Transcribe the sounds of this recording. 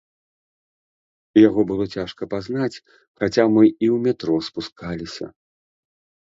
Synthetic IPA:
jaɣɔbɨlˠɔt͡sʲaʂkɐpaznat͡sʲ | xat͡sʲamɨiwmʲɛt̪ɾɔspuskalʲisʲɐ̰

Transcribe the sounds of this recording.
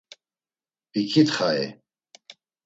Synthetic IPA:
pikʰit̪χaɛ̰

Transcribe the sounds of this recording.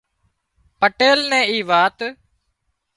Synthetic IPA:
pəʈeːlnɛ̃ːiːʋaːt̪

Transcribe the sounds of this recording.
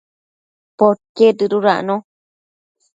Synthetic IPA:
pokedɨɾuɾaʔnõ

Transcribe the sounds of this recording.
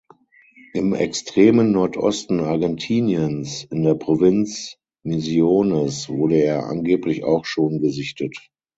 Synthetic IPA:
ʔɪmɛ̰kstʁ̥eːmənːɔɐtʔɔ̰stn̩aɐɡɛntʰiːnjənsɪndeːɐpʁ̥ovɪnt͡s | mizjoːnəsv̥ʊɐɾəeːɐʔa̰nɡeːplɪça̰ʊxʃoːnɡəzɪçtət

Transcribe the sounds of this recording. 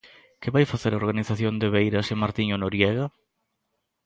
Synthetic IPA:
kɪβajfaθeɾaoɾɣaniθaθjond̪eβejɾɐsemaɾt̪iɲonoɾjɛɣa

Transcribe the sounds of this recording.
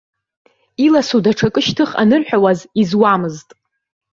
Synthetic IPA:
ilasudaʈ͡ʂʰakʼɨʃtʰɨχa̰nɨrħᶣawazizwamɨztʼ

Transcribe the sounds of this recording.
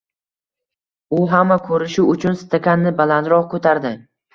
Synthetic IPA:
ʊɦamːakʰɵɾɪʃʊʊt͡ʃʰʊnsɪ̥t̪ʰakʲanːɪbalant̪ɾɒqkʰɵt̪ʰaɾd̪ɪ

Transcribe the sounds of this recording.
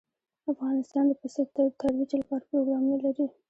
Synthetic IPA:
afɣɑnɪst̪ɑnd̪əpəsət̪at̪aɾwid͡ʒalpɑɾpɾoɡɾɑmunalaɾi

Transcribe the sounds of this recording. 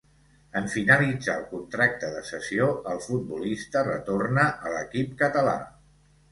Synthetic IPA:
əɱfinəlid͡za̰lˠkunt̪ɾak̚t̪əðəsəsioəlˠfud̪̚bulist̪ərət̪ornəʔələkipkət̪əla̰

